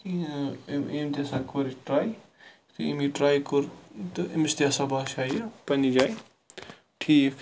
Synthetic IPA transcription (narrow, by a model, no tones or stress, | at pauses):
i | emt̪asakoɾiʈɾaj | t̪uḛmiʈɾajkoɾt̪ḛmist̪jasabaʃajpɐnid͡ʒaj | ʈʰi